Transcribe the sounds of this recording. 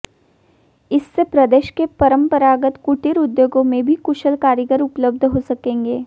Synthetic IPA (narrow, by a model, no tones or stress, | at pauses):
ɪsːepɾɐd̪eːʃkepɐɾə̃mpəɾaːɡət̪kʊʈɪɾʊd̪joːɡõmẽbʱikʊʃəlkaːɾjəɡəɾʊpləb̚d̪ʱɦosɐkẽːŋɡeː